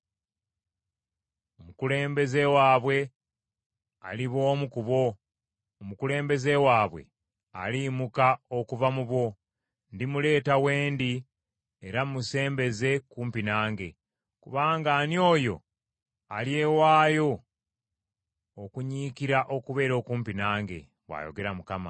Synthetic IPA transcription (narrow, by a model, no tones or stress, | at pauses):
omukule̞ːmbe̞ze̞waːβwe̞ | a̰liβo̞ːmukuβo̞ | omukule̞ːmbe̞ze̞waːβwe̞̰ | a̰limukao̞kuvamuβwo̞ | ndimule̞ːtaweːndi | eɾamuse̞ːmbe̞ze̞kuːmpinaːŋɡe̞ | kuβaːŋɡaːnio̞ːjo̞̰ | alje̞waːjo̞ | okuɲiːkiɾaʔo̞kuβe̞ːɾo̞ːkuːmpinaːŋɡe̞̰ | βwa̰jo̞̰ɡe̞ɾamukama̰